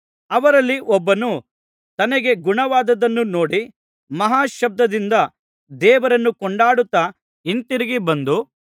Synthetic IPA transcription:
ɐʋɐɾɐlːiʔɔbːɐnu | t̪ɐnɐɡe̞ɡuɳɐʋaːd̪ɐd̪ɐnːuno̞ːɽi | mɐɦaːʃɐb̚d̪ɐd̪ind̪ɐ | d̪ɛːʋɐɾɐnːukɔɳɖaːɽut̪ːɐ | int̪iɾiɡibɐnd̪u

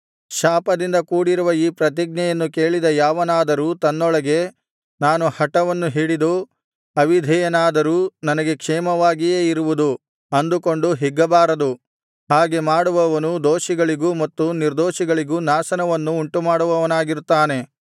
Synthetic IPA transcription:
ʃaːpɐd̪ind̪ɐkuːɽiɾuʋɐiːpɾɐt̪̬iɡ̚ɲɐjɐnːuke̞ːɭid̪ɐjaːʋɐnaːd̪ɐɾuːt̪ɐnːɔɭɐɡe̞ | naːnuhɐʈɐʋɐnːuɦiːɽid̪u | ɐʋid̪ʱɛjɐnaːd̪ɐɾuːnɐnɐɡe̞kʂɛːmɐʋaːɡijeːiɾuʋud̪u | ɐnd̪ukoɳɖuɦiɡːɐbaːɾɐd̪u | haːɡe̞maːɽuʋɐʋɐnud̪oːʃiɡɐɭiɡuːmɐt̪ːuniɾd̪oːʃiɡɐɭiɡuːnaːsɐnɐʋɐnːuːɳʈumaːɽuʋɐʋɐnaːɡiɾut̪ːaːne̞

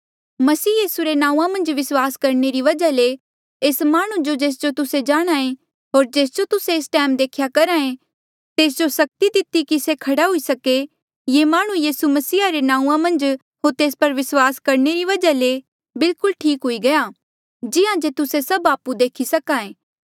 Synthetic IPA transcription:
mɐsiːjiːsuɾenãːũːãmɐ̃nd͡ʒʋɪswaːskɐɾneɾiʋɐd͡ʒale | eːsmaːɽ̃ũd͡ʒod͡ʒeːs̬d͡ʒot̪ʊsed͡ʒaːɽ̃aːẽ | ɦoːɾd͡ʒeːs̬d͡ʒot̪ʊseːsʈɛːmd̪eːkʰjakɐɾãːẽ | t̪eːs̬d͡ʒosɐk̚t̪id̪ɪt̪ikisekʰɐɽaɦʊisɐke | jemaːɽ̃ũjiːsumɐsiːaɾenãːũːãmɐ̃nd͡ʒ | ɦoːt̪eːspɐɾʋɪswaːskɐɾneɾiʋɐd͡ʒale | bɪlkʊlʈʰiːkɦʊiɡɐja | d͡ʒɪãd͡ʒet̪ʊsesɐbaːpud̪eːkʰisɐkaːẽː

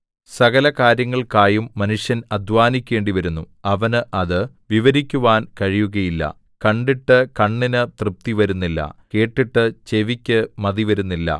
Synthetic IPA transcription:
sɐɣɐlɐkaːɾjɐŋːɐɭkaːjumːɐnuʂjɐnɐd̪ʱʋaːnikʲːe̞ːɳɖiʋɐɾunːu | ɐʋɐnɨʔɐðɨ | ʋiʋɐɾikʲːuʋaːnkɐɻijuɣɐjilːɐ̰ | kɐɳɖiʈːɨkɐɳːinɨt̪rɨp̚t̪iʋɐɾunːilːɐ̰ke̞ːʈːiʈːɨt͡ɕeʋikʲːɨmɐðiʋɐɾunːilːɐ̰

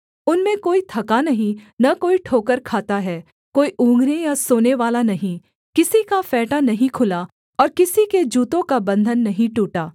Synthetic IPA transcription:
ʊnmẽkoːit̪ʰɐkanɐɦĩnɐkoːiʈʰoːkəɾkʰaːt̪aɦɛː | koːiʔũːŋɡɾejasoːneʋaːlanɐɦĩ | kɪsikafɛːʈanɐɦĩkʰʊla | ɔːɾkɪsiked͡ʒuːt̪õkabɐ̃nd̪ʱənːɐɦĩʈuːʈaː

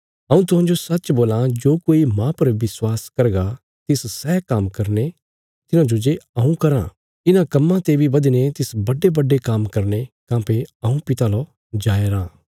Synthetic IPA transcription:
ɐ̃ːũt̪ʊɦãːd͡ʒosɐtːt͡ʃboːlãd͡ʒoːkoːimãpɐɾʋɪswaːskɐɾɡa | t̪ɪssɛːkamkɐɾne | t̪ɪnãd͡ʒod͡ʒeɐũkɐɾã̰ | ɪnãkɐmːãt̪ebʱibɐd̪net̪ɪsbɐɖebɐɖːekamkɐɾnekãːpeɐũpɪt̪alo | d͡ʒaːeɾãː

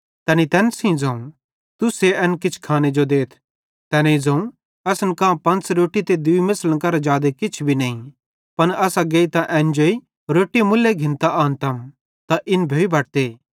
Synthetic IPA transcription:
t̪ɛːnit̪ɛːnsĩd͡zɐ̃ũ | t̪useɛːnkɪt͡ʃʰkʰaːned͡ʒod̪eːt̪ʰ | t̪ɛːneĩd͡zɐ̃ːũ | ɐsənkãːpɐ̃nt͡sɾoːʈit̪ed̪ʊimɐslənkɐɾad͡ʒaːd̪ekɪt͡ʃʰbʱinɐːĩ | pɐnɐsaɡeːit̪ãʔɛ̃ːnd͡ʒoːi | ɾoːʈimʊlːeɡʱɪ̃nt̪aʔaːnt̪ɐm | t̪aʔɪnbʱeːibʱɐʈ̚t̪eː

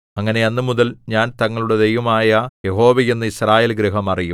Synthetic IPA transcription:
ɐŋːɐne̞ɐnːɨmuðɐlɲaːnt̪ɐŋːɐɭuɽe̞d̪e̞jʋɐmaːjɐje̞ɦo̞ːʋɐjenːɨisraːjeːlɡɾiɦɐmɐrijum

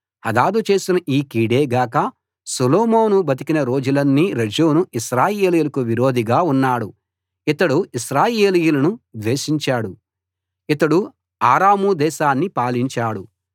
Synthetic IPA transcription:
hɐd̪aːd̪ut͡ʃe̞ːsinɐʔiːkiːɽe̞ːɡaːkɐ | suloːmoːnubɐt̪̬ikinɐɾo̞ːd͡ʒulɐnːiɾɐd͡ʒoːnuʔiʃɾaːjeeːlijulɐkuʋiɾo̞ːd̪ʱiɡaːunːaːɽu | it̪ɐɽuiʃɾaːjeːlijulɐnud̪ʋeːʃiɲt͡ʃaːɽu | it̪ɐɽu | aːɾaːmud̪ɛːʃaːnːipaːliɲt͡ʃaːɽu

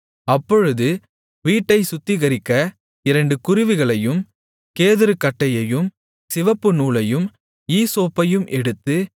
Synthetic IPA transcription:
ɐpːɔɻɯðɯ | ʋiːʈːɐɪsʊt̪ːɪɣɐɾɪkːɐ | ɪɾɐɳɖɯkʊɾɪʋɯɣɐɭɐjɯm | keːðɪɾɯkːɐʈːɐjɐjɯm | sɪʋɐpːɯnuːlɐjɯm | iːsoːpːɐjɯmʔɛɽɯt̪ːɯ

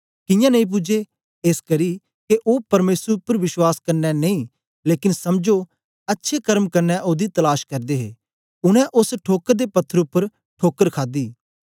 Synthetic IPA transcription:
kɪ̃jãːnɐĩp̬ʊd͡ʒeː | eːskɐɾi | keʔoːpɐɾmeːsəɾʊpːəɾʋɪʃwaːskɐɾnɛnɐĩː | leːkɪnsɐmd͡ʒo | ɐtːʃʰekɐɾmkɐɾnɛʔoːd̪it̪ɐlaːʃkɐɾd̪eːɦḛː | ʊñɛ̃ʔʊsʈʰoːkəɾd̪eːpɐt̪ʰːəɾʊpːəɾ | ʈʰoːkəɾkʰaːd̪iː

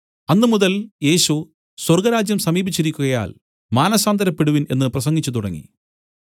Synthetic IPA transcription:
ɐnːɨmuðɐlje̞ːɕu | swɐrɡɐɾaːd͡ʑjɐmsɐmiːbit͡ɕːiɾikʲːuɣɐja̰ːl | maːnɐsaːnd̪ʱɐɾɐpːeɽuʋine̞̰nːɨprɐsɐŋɡit͡ɕːut̪̬uɽɐŋːḭ

